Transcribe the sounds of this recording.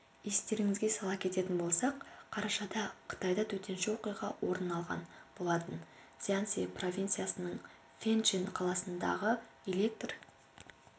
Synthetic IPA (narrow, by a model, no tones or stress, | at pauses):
e̞st̪e̞ɾɪŋɪzɡʲe̞sɑlˠɑp̚kʲʰe̞t̪e̞t̪ɪnbo̞lˠsɑqqʰːɑɾɑʃɑd̪ɑqʰə̥t̪ɑjd̪ɑt̪ʰɵt̪e̞nʃɪwo̞qijʁɑwo̞ɾənːɑlˠʁɑ̰nbo̞lˠɑt̪ən | sʲiant̪sipro̞vʲint̪sɨjasənəɴ | fʲent͡ʃinqʰɑlˠɑsənd̪ɑ̰ʁə | ele̞k̚t̪r